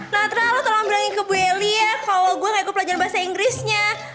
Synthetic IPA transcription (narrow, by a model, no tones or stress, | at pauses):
nat̪ɾalot̪əlaŋbɾaŋikəbueliakaloɡuɛŋɡaikʊt̪plaɲd͡ʒaɾnbaɦasaiŋɡɾɪsɲa